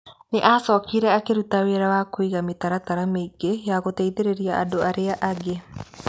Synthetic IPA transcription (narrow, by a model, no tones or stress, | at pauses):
neʔasɔːkʰiɾɛakeɾutaweɾawakoiɣamet̪aɾat̪aɾameiɡejaɣot̪ɛiðeɾeɾiaadoʔaɾeaʔaɡe